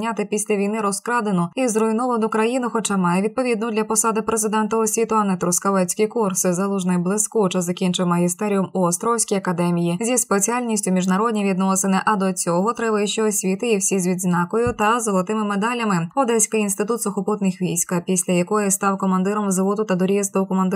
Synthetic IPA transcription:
nʲat̪ɪpʲisʲlʲɐʋʲijnɪɾɔskɾɑd̪enʊizrɔjnɔʋɐnʊkɾɐjinʊxɔt͡ʃamɑjeid̪̚pɔʋʲid̪nʊd̪lʲɐpɔsɑd̪ɪpɾezɪd̪ɛnt̪ɔɔsʲʋʲit̪ʊɐnɛt̪ɾʊskɐʋɛt͡sʲkɪjkursɪzɐlˠuʒnɪjblˠɪskut͡ʃɛzɐkʲint͡ʃɪwmɐɦʲist̪ɛɾʲiʊmuɔst̪ɾɔwsʲkʲijɐkɐd̪ɛmʲijizʲispet͡sʲialʲnʲisʲtʲʊmʲiʒnɐɾɔdʲnʲiʋʲid̪nɔsenɪʔɐd̪ɔt͡sʲɔɦɔt̪ɾɛbɐjɪʃt͡ʃɛɔsʲʋʲit̪ɪiwsʲizʲʋʲid̪znɑkɔjʊt̪ɐzolˠɐt̪ɪmɪmed̪ɑlʲɐmɪɔd̪ɛsʲkɪjinst̪ɪt̪ut̪sʊxɔpɔt̪nɪxʋʲijsʲkɐpʲisʲlʲɐjɐkɔjɪst̪ɑwkɔmɐnd̪ɪɾɔmzɐʋɔt̪ʊt̪ɐd̪ɔɾʲiɛst̪ɔwkɔmɐnd̪ɪ

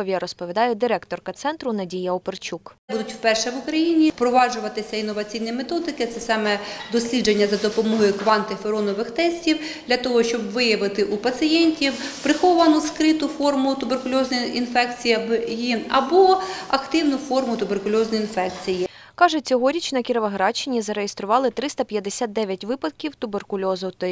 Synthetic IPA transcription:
ʋʲjɐɾɔspɔʋʲid̪ɑjɛd̪ɪɾɛkt̪ɔrkɐt̪sɛnt̪ɾʊnɐdʲijɐɔpert͡ʃukbud̪ʊtʲwpɛrʃɛʋʊkɾɐjinʲipɾɔʋɑʒʊʋɐt̪ɪsʲɐinːɔʋɐt͡sʲijnimet̪ɔd̪ɪkɪt̪sɛsɑmɛd̪ɔsʲlʲid͡ʒenʲːɐzɐd̪ɔpɔmɔɦɔjʊkʋɑnt̪ɪfeɾɔnɔʋɪxt̪ɛsʲtʲiwd̪lʲɐt̪ɔɦɔʃt͡ʃɔbʋɪjɐʋɪt̪ɪʔupɐsɨjɛnʲtʲiwpɾɪxɔʋɐnʊskɾɪt̪ʊfɔrmʊt̪ʊberkʊlʲɔznɔjinfɛk̚t͡sʲijibjiɐbɔɐkt̪ɪwnʊfɔrmʊt̪ʊberkʊlʲɔznɔjinfɛkt͡sʲiji | kɑʒɛt͡sʲɔɦɔɾʲit͡ʃnɐkʲiɾɐʋɐɦɾɑt͡ʃɪnʲizɐɾejest̪ɾʊʋɑlˠɪt̪ɾɪst̪ɐpʲjɐd̪esʲat̪̚d̪ɛʋʲjɐtʲʋɪpɐd̪kʲiwt̪ʊberkʊlʲɔzɔt̪

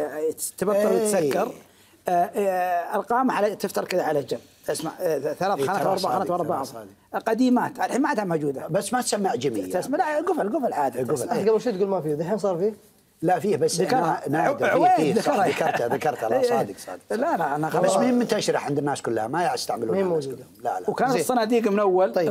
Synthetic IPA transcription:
t̪bak̪ːɑɾwɪsakːɑɾ | ɪlqɑːmaħalat̪ɪft̪ɑɾˤkɪðaʕalad͡ʒamː | ɪsma̰ʕθalaːθanaːt̪wʔɑɾˤbaʕxxanaːt̪wɑɾˤbaaʕðˤqɑd̪iːmaːt̪ʕalħiːnmaʕad̪ʕamod͡ʒuːd̪abasːmat̪samːaːʕd͡ʒamij̪ːasmlaɡʊfalɡʊfɪlʕaːd̪iɡʊfaɡabɪɾʃiːt̪̚ɡuːlmafiːðˤɨħeːnsˤɑːɾˤfiː | lafiːhbasːðakɾˤanaːeːðakɑɾakɑɾˤðakɑɾˤt̪ʕalːsˤːd̪əqsˤɑ̰ːd̪qlalaʔanabasːmmʊhɪmːɪnt̪aʃɾɪ̰ħʕɪnd̪ɪnːaːskʊlːha̰majaʕst̪aʕmaluːmhmːod͡ʒuːd̪ | la̰lwkaːnat̪sˤːɑnaːd̪iːqmʊnʔawːalˤɑj

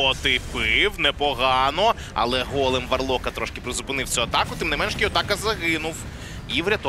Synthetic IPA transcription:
ɔt̪ɪpɪwnɛpɔɦɑnɔ | ɐ̰lˠɛɦɔlˠemʋɐrlˠɔkɐt̪ɾɔʃkʲɪpɾezʊpɪnɪw̪sʲuɐt̪ɑkʊt̪ɪmnɪmɛnʃkʲiɔt̪ɑkɐzɐɣɪnʊw | iʋɾʲɐt̪ɔ

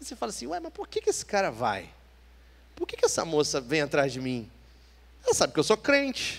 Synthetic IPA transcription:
vosefalɐsĩɛjmɐspoɾkekɪesɪ̥kaɾɐva̰j | poɾkekɪɛsɐ̰mosɐvẽj̃at̪ɾazd͡ʒɪmĩ | ɛlɐsabɪpkewsokɾẽnt͡ʃɪ̥

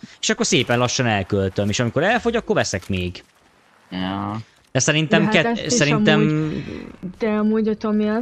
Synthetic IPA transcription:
eːʃɒkːo̞rseːpɛnlɒʃːɒnɛlkølt̪ømeːʃɒmiko̞ɾɛlfo̞ɟɒkːo̞rvɛsɛkmeːɡ | jo | d̪̥ɛsɛɾint̪ɛmkɛsɛint̪ɛm | d̪̥ɛɒmuːɟot̪omiɛ

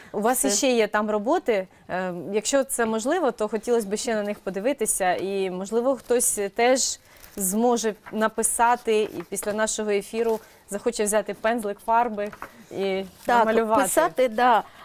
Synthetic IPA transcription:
ʊʋɑsjʃʃt͡ʃɛjɛt̪ɑmrɔbɔt̪ɪ | jɐkʃt͡ʃɔt̪sɛmɔʒlˠɪʋɔt̪ɔxɔtʲilˠɔsʲbɪʃɛnɐnɪxpɔd̪ɪʋɪt̪ɪsʲɐimɔʒlˠɪʋɔxt̪ɔsʲt̪ɛʒ | zmɔʒɛnɐpɪsɑt̪ɪḭpʲisʲlʲɐnɑʃɔɦɔefʲiɾʊ | zɐxɔt͡ʃɛwzʲɑt̪ɪpɛnzlˠɪkfɑrbɪit̪ɑmɐlʲʊʋɑpɪsɑt̪ɪd̪ɑ

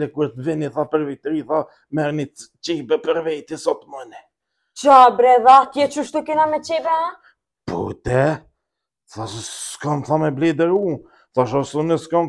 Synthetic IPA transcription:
ɛkuɾt̪vɛniθapəɾvɛt̪ɾiθa | mɛɾnit̪t͡ʃibɛpəɾvɛt̪isɔt̪munɛ | t͡ʃabɾɛðakjɛt͡ʃuʃt̪ukinamɛt͡ʃibɛa | pṵt̪ɛ | θasʃkɔnθamɛblid̪əɾu | θaʃɔsunəskɔn

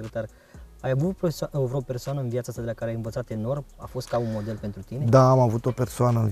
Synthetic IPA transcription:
ɾət̪ar | ajavut̪pesvuɾope̞rsoanəɨnvjat̪səast̪ad̪elakaɾeajɨnvət̪sat̪e̞no̞rma̰fo̞st̪̚kaunmo̞d̪e̞lpe̞nt̪ɾut̪ined̪aːmavut̪o̞pe̞rsoanəɨn

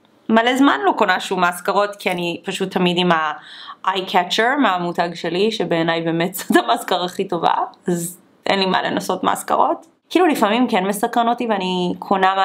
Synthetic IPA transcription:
malezmanlokonaʃumaːskaʁo̞tkʰianipaʃutʰːɐmidimaʔajkʰɛt͡ʃeʁmeamutaɡʃeliʃebeːnajbeːmetz̥atamaskaʁaχito̞va̰az | ʔḛnlima̰lenaso̞tma̰ːska̰ʁo̞t | kiːlulifamimkenmesakʁanotiveanikʰonama

